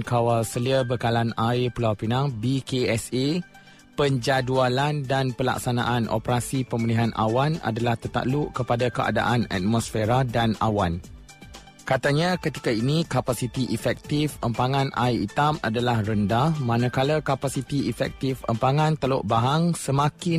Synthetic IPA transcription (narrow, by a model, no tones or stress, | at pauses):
kawalsəliəbəkalanajpəlawpinaŋbikeɛse | pəɲd͡ʒadualandanpəla̰ksana̰ʔanʔɔ̰pɾasipəmiliɦanʔa̰wana̰dalaht̪ət̪a̰ʔluʔkəpadakəa̰da̰ʔana̰t̪̚mɔsfeɾadana̰wan | kat̪aɲãkət̪i̥kainikapasit̪iʔifɛk̚t̪ifəmpaŋãnʔajḭt̪ama̰dalahrəndahmãnãkalakapasit̪iʔifɛ̰k̚t̪ifə̰mpaŋãnt̪əlo̰ʔbaɦaŋsəmakɪ